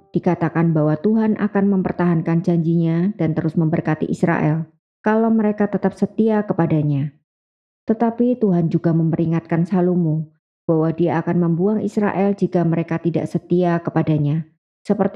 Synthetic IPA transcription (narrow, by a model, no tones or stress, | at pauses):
d̥ikat̪akanbawat̪uɦanʔa̰kanməmpərt̪aɦankand͡ʒaɲd͡ʒiɲad̥ant̪əɾʊsməmbərkat̪ḭʔisɾa̰ʔɛ̰l | kalaməɾekat̪ət̪ap̚sət̪iakəpadaɲa | t̪ət̪apit̪uɦand͡ʒuɡaməmpəɾiŋat̪̚kansalumu | b̥aɦwadiaːkanməmbuaŋʔḭsɾa̰ʔɛld͡ʒikaməɾekat̪ida̰ʔsət̪iakəpadaɲa | səpərt̪i